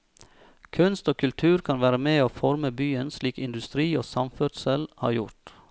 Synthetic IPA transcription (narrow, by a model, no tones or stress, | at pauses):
kʰʉnst̪oːkʰʉlt̪ʰʉːɾkʰɑnʋæːɾəmeːoːfɔɾməbyːənsliːkɪnd̪ʉst̪ɾiːoːsɑmfœʈsəlhɑ̰ːɾjʊ̰ɾt̪